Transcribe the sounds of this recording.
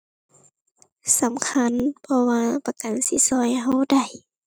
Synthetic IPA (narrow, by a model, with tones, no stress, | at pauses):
sa˨˦mkʰa˧˥˨npʰɔ˧waː˧pa˧ka˨nsi˧˦sɔː˧˦˨jɦa˧˨wda˧˩j